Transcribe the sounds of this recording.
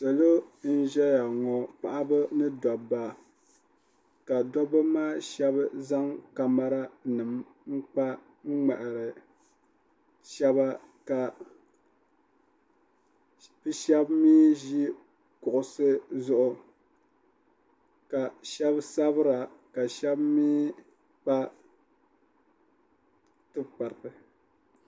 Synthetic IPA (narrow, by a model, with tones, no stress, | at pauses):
so˨lo˦n̩˦ʒɛ˦ja˨ŋɔ˨k͡pa˨ʔa˦bɨ˦nɨ˦dɔ˨ba˨ | ka˨dɔ˦bɨ˦maː˦ʃɛ˦βza˦ŋka˨ma˦ɾa˦nɨ˨m | ŋ͡m̩˦k͡pa˦ | ŋ̩˦ŋ͡ma˨ʔa˨ɾɨ˨ | ʃɛ˦βa˦ | ka˨ | bɨ˦ʃɛ˦bmiː˦ʒi˦ | kʊ˨ʔʊ˨sɨ˦zʊ˦ʔʊ˨ | ka˨ʃɛ˦bsa˦βɨ˦ɾa˨ka˨ʃɛ˦bmiː˦ | k͡pa˦ | tɨ˦k͡pa˨ɾpɨ˨